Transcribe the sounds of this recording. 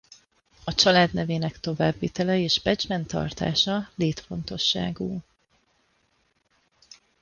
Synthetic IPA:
ɒt͡ʃɒlaːd̪nɛveːnɛkt̪o̞vaːbːiːt̪ɛlɛeːʒbɛd͡ʒmɛnt̪ɒ̰rt̪a̰ːʃɒleːt̪fo̞nt̪o̞ʃːa̰ːɡuː

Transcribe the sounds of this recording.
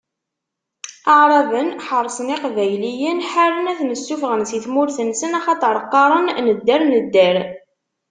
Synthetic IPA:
ɑʕɾˤɑvənħərˤːsˤəniqvæjlijənħaɾənæθnəsːufʁənsiθmʊɾθənsənɑχɑt̪ˤəɾˤəqːɑɾˤənnəd̪ːəɾnəd̪ːəɾ

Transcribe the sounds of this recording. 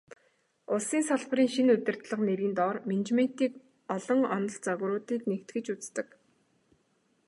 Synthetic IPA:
ʊɮsiːnsaɮp̆riːŋʃinɵt̪ʲɪ̆r̥t̪ɮə̆qneɾiːnt̪ɔːrment͡ɕmen̥t̪iːk | ɔɮɞ̆ŋɔnɞ̆ɮt͡saɣ̆ɾʊːt̪iːk̪nekt̪ɡɘ̆t͡ɕut͡st̪ɘ̆k

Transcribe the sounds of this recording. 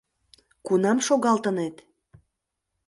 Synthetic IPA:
kunɑmʃoɣɑlˠt̪ənet̪

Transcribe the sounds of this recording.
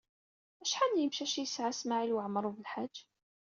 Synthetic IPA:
æʃħanjəmʃæʃjəsʕasmaʕilwəʕmɾˤuvəlħad͡ʒʒː

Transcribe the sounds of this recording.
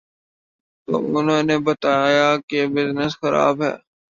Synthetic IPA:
t̪o̰ːʊnɦõːnebət̪aːjakebɪznəsxəɾa̰ːbɦɛ̰ː

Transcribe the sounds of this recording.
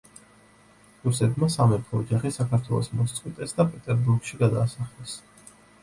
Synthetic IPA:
ɾusɛt̪masamɛt̪ʰɔɔd͡ʒaχisakʰaɾt̪ʰwɛ̰lˠɔ̰smɔst̪sʼqʼwit̪ʼɛsd̪apʼɛt̪ʼɛɾbuɾɡʃiɡad̪aːsaχlɛs

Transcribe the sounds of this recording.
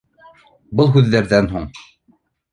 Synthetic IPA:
bɤlˠɦʉðːæɾðænɦuɴ

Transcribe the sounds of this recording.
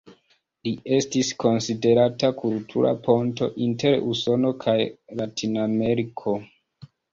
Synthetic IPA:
lie̞stisko̞nside̞ɾatakʰultʰuɾa̰po̞nto̞̰ʔinte̞ɾuso̞no̞kʰajlatʰinameɾikʰo̞

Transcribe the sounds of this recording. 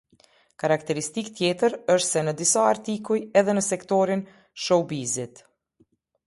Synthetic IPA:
kaɾakt̪ɛɾist̪ikt̪jɛt̪əɾəʃt̪sɛnəd̪isaːɾt̪ikujɛðɛnəsɛkt̪ɔɾin | ʃɔbizit̪

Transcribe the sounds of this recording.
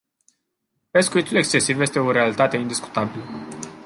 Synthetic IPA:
pe̞skuit̪ule̞kst͡ʃe̞sivje̞st̪e̞oɾe̞alit̪at̪e̞ind̪isku̥t̪abilə

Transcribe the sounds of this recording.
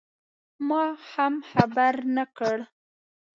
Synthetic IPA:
mɑhamxabaɾnakəɽ

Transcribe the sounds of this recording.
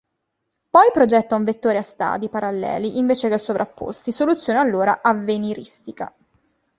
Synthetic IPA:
pɔjpɾod͡ʒɛt̪ːauɱvet̪ːoːɾeast̪a̰ːd̪ipaɾalːɛ̰ːliʔiɱveːt͡ʃekesːovɾapːo̰st̪isolut̪sːjoːnealːoːɾaʔavːeniɾist̪ika̰

